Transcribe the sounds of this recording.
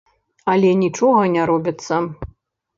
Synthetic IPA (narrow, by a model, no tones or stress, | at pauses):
ɐlʲɛnʲit͡ʂɔɣɐnʲaɾɔbʲit̪sːɐ